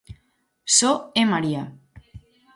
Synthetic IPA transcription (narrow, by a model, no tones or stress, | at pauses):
soemaɾia